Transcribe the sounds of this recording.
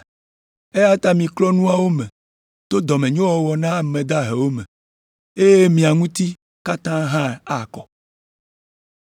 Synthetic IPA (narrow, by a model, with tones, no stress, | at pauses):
e˦a˦t̪a˦mĩ˨klɔ˦nũ˦a˦wo˦mɛ̃˨ | t̪o˦d̪ɔ˨mẽ˨ɲõ˦wɔ˨wɔ˨nã˦˨mẽ˨d̪a˦ɦe˨wo˦mẽ˨ | e˦je˦mĩ˨a˨ŋũ˦t̪i˦ | ka˦t̪ã˦ɦã˦˨a˨kɔ˨